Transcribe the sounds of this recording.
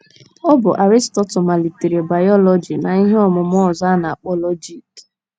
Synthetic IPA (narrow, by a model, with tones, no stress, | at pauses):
ɔ˦bʊ˨ʔa˨ɾi˦stɔ˦tʊ˨ma˨li˨ti˨ɾe˨ba˨jɔ˦lɔ˦d͡ʒi˨na˨i˦ɦe˦ɔ˦mʊ˨m˦ɔ˦˨za˦na˨a˨k͡pɔ˦lɔ˦d͡ʒi˦t